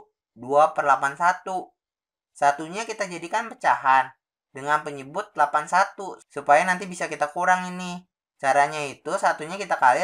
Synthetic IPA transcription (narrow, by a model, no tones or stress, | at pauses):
duapərlapansat̪u | sat̪uɲakit̪ad͡ʒadikanpət͡ʃaɦan | dəŋanpəɲəbʊt̪̚lapansat̪usupajanant̪ibisakit̪akuɾaŋini | t͡ʃaɾaɲait̪usat̪uɲakit̪akali